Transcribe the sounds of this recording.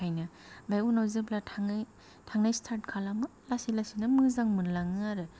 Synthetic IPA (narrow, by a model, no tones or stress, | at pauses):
ajnɯ | majunawzɯblatʰaŋ | tʰaŋnajstʰaɾt̚kʰalamɯlasilasinɯmɯzaŋmɯnlaŋɯaɾɯ